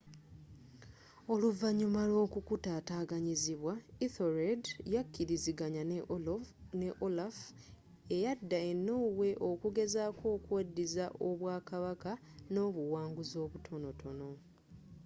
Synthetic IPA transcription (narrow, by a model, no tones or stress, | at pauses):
o̞luvaɲumalo̞ːkukutaːtaːɡaɲiziβwaiθoɾedjakːiɾiziɡaɲa | neʔolaf | e̞jadːae̞nːo̞ːwe̞ʔo̞kuɡe̞zaːko̞ːkuwadːizaʔo̞βwaːkaβakano̞ːβuwaːŋɡuzo̞ːβutʰo̞no̞tʰo̞no̞